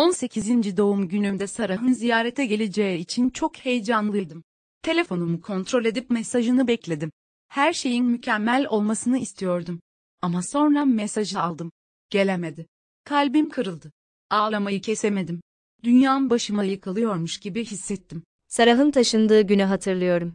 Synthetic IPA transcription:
o̞nse̞cʰizind͡ʒid̪o̞umɟynymd̪ɛsaɾaɦɯnzijaːɾet̪ʰɛɟe̞lʲed͡ʒejɛit͡ʃʰint͡ʃʰo̞khe̞jd͡ʒanlˠɯjd̪im | t̪ʰe̞lʲe̞fo̞numukʰo̞nt̪ɾo̞lʲe̞d̪ipmɛsaʒɯnɯbɛclʲe̞d̪im | hæɾʃe̞jinmycʰɛmːælʲo̞lˠmasɯnɯist̪ʰijo̞ɾd̪um | amaso̞nɾamesaʒɯalˠd̪ɯm | ɟ̥e̞lʲeme̞d̪ɪ | kʰalʲbimkʰɯɾɯlˠd̪ɯ | aːlˠamajɯcʰeseme̞d̪im | d̪ynjaːnnbaʃɯmajɯkʰalˠɯjo̞ɾmuʃɟibiɦisːɛt̪ʰːim | saɾaɦɯnt̪ʰaʃɯnd̪ɯːɟynyɦat̪ʰɯɾlˠɯjo̞ɾum

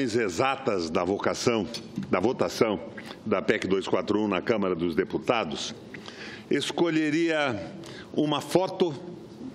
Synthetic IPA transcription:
j̃zezat̪ɐzd̪ɐvokasɐ̃w̃d̪ɐvot̪asɐ̃w̃d̪ɐpɛkɪd̪ojskwat̪ɾʊũnɐkɐ̃mɐɾɐd̪ʊzd̪eput̪ad̪ʊs | eskoʎeɾiɐ | ũmɐfɔt̪ʊ

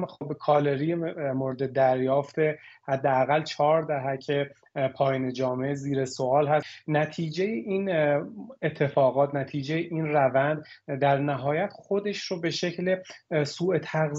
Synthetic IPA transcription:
obkʰɒːle̞ɾijemoɾed̪ed̪æɾjɒːft̪ehæd̪ːeæɣælːt͡ʃʰɒːɾd̪æɦæcʰe̞ | pʰɒːjiːned͡ʒɒːmeeziːɾesoʔɒːlɦæsnæt̪ʰiːd͡ʒejeʔiːn | et̪ʰːe̞fɒːɣɒːt̪ʰnæt̪ʰiːd͡ʒe̞jeʔiːnrævænd̪d̪æɾnæɦɒːjæt̪ʰχo̞d̪e̞ʃɾobe̞ʃe̞cʰlesuːet̪ʰæɣz

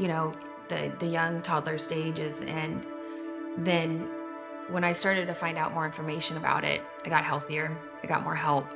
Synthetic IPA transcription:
jɨñoʊ | ðɨ̰ðɨjʌ̃ŋtʰɑdˡlˠə˞steɪd͡ʒɪzɨ̃n | ðɨ̃n | wə̃ɾ̃aɪstɑɹɾɨd̚tɨfãɪ̃ndaʊt̚mɔɹɪ̃ɱfə˞meɪʃɨ̃nɨba̰ʊɾɪ̰t̚ | aɪɡɑt̚hɛlˠθiə˞ | aɪɡɑ̰t̚mɔ̰ɹɦɛlˠp̚

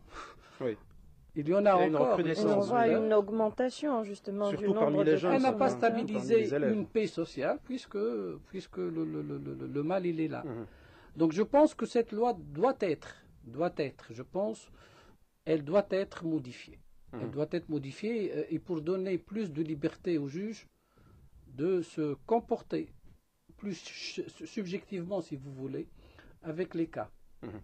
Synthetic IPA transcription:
wi | iljɑ̃naɑ̃kɔʁesɔ̃aynɔɡmɑ̃t̪asjɔ̃ʒyst̪əmɑ̃syʁyunãʁbʁideʒɛlnapast̪abilizeynpesɔsjalpɥiskəpɥiskələlələlləmalilɛla̰ | d̪ɔ̃kʒəpɑ̃skəsɛt̪lwad̪wat̪ɛt̪χ | d̪wat̪ɛt̪χʒəpɑ̃s | ɛld̪wat̪ɛt̪χmɔd̪ifjḛɛld̪wat̪ɛt̪ʁmɔd̪ifjeːpuʁd̪ɔneplys̬d̪əlibɛʁt̪eoʒyʒ | d̪əsəkɔ̃pɔʁt̪e | plyssybʒɛkt̪ivmɑ̃sivuvuleavɛkleka̰

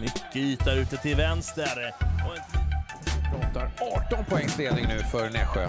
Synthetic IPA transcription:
mʏkːəyːt̪aɾʉ̟ːt̪ət̪ʰɪlvɛnst̪əɾɔ | ɪpʰɾɑːt̪aɾɑːʈɔnpʰʊɛŋːsleːd̪nɪŋnʉ̟ːfœɾnɛ̰ːɧø

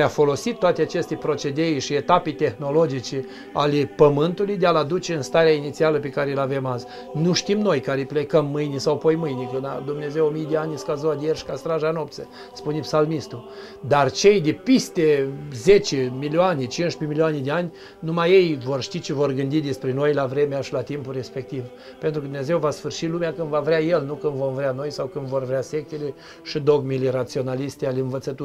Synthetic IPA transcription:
eafo̞lo̞sit̪ːoat̪eat͡ʃe̞st̪epɾo̞t͡ʃe̞d̪ejʃiet̪apejt̪e̞xno̞lo̞d͡ʒit͡ʃe | alepəmɨnt̪ulujd̪ealad̪ut͡ʃeɨnst̪aɾeainit̪sialəpe̞kaɾelave̞maz | nuʃt̪imno̞jkaɾeplekəmːɨjnesawpojmɨjnʲekɨnad̪umne̞zewomijd̪eanʲskazoad̪ejerʃi̥kast̪ɾaʒano̞p̚t̪sə | spunepsalmist̪u | d̪art͡ʃe̞jd̪epist̪eze̞t͡ʃemilioanet͡ʃinʃpemilioaned̪eanʲ | numaje̞jvo̞rʃt̪it͡ʃe̞vo̞rɡɨnd̪id̪espɾe̞no̞jlavɾe̞meaʃilat̪impulre̞spe̞k̚t̪iv | pent̪ɾukəd̪uneze̞wvasfɨrʃilumeakɨnd̪vavɾʲeaje̞lnukɨnd̪vo̞mvɾeano̞jsawkɨnd̪vo̞rvɾease̞k̚t̪ele | ʃid̪o̞ɡmilerat̪sio̞nalist̪ealeɨnvət̪sət̪u

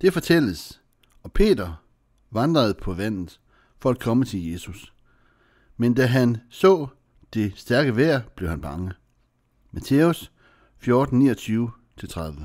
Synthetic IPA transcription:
d̥e̝fɒ̽t͡sʰel̰əs | ɒ̽pʰe̝̰ːd̥ɐ | ʋɑ̈nd̥ʁɐð̞̩ˠpʰɒ̽ʋæn̰ð̩ˠ | fɒ̽æd̥̚kʰɒ̽mət͡sʰe̝lje̝sus | mend̥æɦænsɔ̰̽ː | d̥e̝sd̥æɐɡ̥əʋæɐ̰b̥le̝ʊhænb̥ɑ̈ŋə | mʔæt͡sʰeus | fjo̝ːd̥n̩nḭːɒt͡sʰyːʊ | t͡sʰe̝lt͡sʰʁaðˠʋə

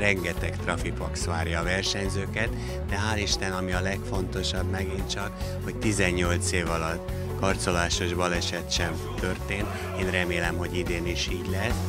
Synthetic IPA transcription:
rɛŋɡɛt̪ɛkt̪rɒfipɒksʋaːrjɒːvɛrʃɛɲzøːkɛt̪ | d̪ɛɦaːliʃt̪ɛnɒmiɒlɛkfo̞nt̪o̞ʃɒbmɛɡint͡ʃɒk | ho̞ct̪izɛɲːo̞lt̪seːvɒlɒt̪ | kɒrt̪so̞laːʃo̞ʒbɒlɛʃɛt̪ʃɛm | t̪ø̞rt̪eːnt̪ | eːnrɛmeːlɛmɦo̞ɟid̪eːniʃiːɟlɛs

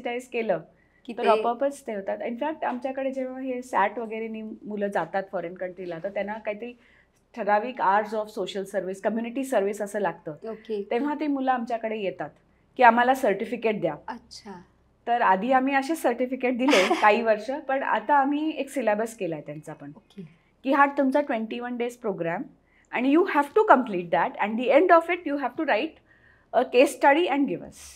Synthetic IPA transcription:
ʈajd͡zkeləː | kiəɾɔpəpət͡st̪eɦot̪at̪infæk̚ʈamt͡ɕjakəɽed͡ʑeʋ̤aɦesæʈʋəɡəɾenimuləːd͡zat̪at̪fɔɾenkəɳʈɾilaɦt̪ət̪janakaɦit̪əɾiː | ʈ̪ʰəɾaʋiːkaɾʈsɔfsoɕəlsəɾʋiskəmjuniʈiːsəɾʋisəsəːlaɡ̚t̪əːoket̪eʋ̤at̪imuləamt͡ɕjakəɽejet̪at̪ | kiːam̤alasəɾʈifikeʈ̚d̪jaəɕʰa | t̪əɾad̪ʱiːam̤iːəɕesəɾʈifikeʈ̚d̪ilekaɦiːʋəɾʂəpəɳa̰t̪aːm̤iːeksilabəskelaɦet̪jãnt͡saːpəɳoke | kiːɦat̪ːumt͡saʈʋẽɳʈiʋənɖespɾoɡɾæm | æɽ̃juhæʋʈukəmpliːʈ̚d̪æʈɛ̃ɳɖd̪ieɳɖɔfiʈjuɦæʋʈuɾaiʈ | əkesʈəɽiːɛ̃ɳɖɡiʋə̰s

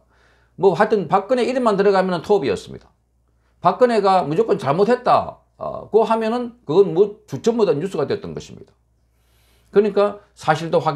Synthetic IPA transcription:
mʌɦaɭtʰɯnpak͈ɯne̞iɾɯnmːantɯɾʌɣamjʌnɯntʰobiʌ̰s͈ɯmɲḭd̥a | pak͈ɯne̞ɡamud͡ʑok͈ʌnt͡ɕaɭmot̚ʰhet̚t͈a̰ | koɦamjʌnɯnkɯɡʌnmʌt͡ɕut͡ɕʰʌmodʌnjus͈ʰuɡadweʌt͈ʌnɡʌɕʰimɲid̥a | kɯɾɯɲik͈asʰaɕʰiɭdoɸwaɡ

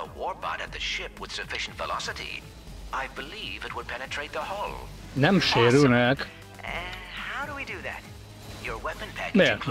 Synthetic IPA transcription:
ə̰wɔɹbɑ̰ɾɨt̪̚ðɨʃɪpʰwɨð̥sɨfɪʃn̩tvə̰lɑ̰sɨɾḭ | ʔaɪbɨlivɨt̚wəd̚pʰɛnɨtʰɹ̥eɪt̪̚ðəhoʊlˠ | næmʃiɾunæk | haʊɾəwidɨðæ̰t̚ | jə˞wɛpɨ̃npʰæmɛkʰ

